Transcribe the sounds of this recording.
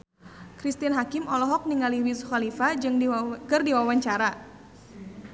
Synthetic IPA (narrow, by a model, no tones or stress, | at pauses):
kɾist̪ianɦakɪmɔlɔɦɔk̚niŋaliwisuxalifad͡ʒɨŋkɨrdiwawaɲt͡ʃaɾa